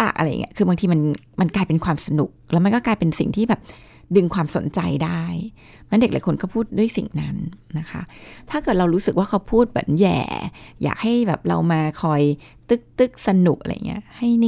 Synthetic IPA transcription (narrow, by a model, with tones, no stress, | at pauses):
aː˨˩k̚ʔa˧a˧j̰ːŋ̰˧˦˥kʰɯː˧baː˧ŋt̪ʰiː˧ma˧nma˧nklaː˧jpe˧nkʰwaː˧msa˧nu˨˩k̚lɛː˦˥wma˧nkɔː˥˩klaː˧jpe˧nsḭ˨˩ŋt̪ʰiː˥bɛː˨˩p̚ | dɯ˧ŋkʰwaː˧mso̰˨˩˦nt͡ɕa˧jdaː˥˩j | mɛ˦˥nde˨˩k̚laː˨˦jkʰo˧nkɔː˥˩pʰuː˥˩t̪̚du˥˩əjsḭ˨˩ŋna˦˥nːa˦˥xʰa̰˦˥ʔt̪ʰaː˥˩kɤː˨˩t̪̚ɾa˧wɾuː˦˥sɯ˨k̚waː˥˩kʰa˦˥wpʰuː˥˩t̪̚mɯ̰˩˦njɛ̰ː˨˩ja̰ː˨˩k̚ha˥˩jbɛ̰ː˨˩p̚ɾa̰˧wmaː˧kʰɔː˧j | t̪ɯ˥˩k̚t̪ɯ˥˩k̚sa˧nu˨˩k̚ʔa̰˧a̰˧ja̰˨˩ŋːʔḭ˦˥ɐha˥˩jn˥